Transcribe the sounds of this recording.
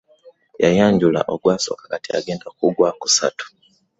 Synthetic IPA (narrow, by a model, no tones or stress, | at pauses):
jajaːɲɟula̰ʔoɡwaːso̰kakatia̰ɡeːndakuɡwaku̥sa̰tu̥